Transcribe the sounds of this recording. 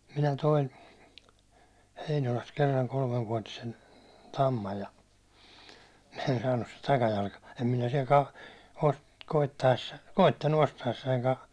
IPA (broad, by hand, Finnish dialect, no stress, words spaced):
minæ toin heinolɑst kerːɑŋ kolmeʋːuɒtisen tɑmːɑj jɑ en sɑːnːus sit tɑkɑjɑlkɑ̥ em minæ siɛl kɑ ko koitːɑesːɑ koitːɑnːu ostɑesːɑiŋkɑ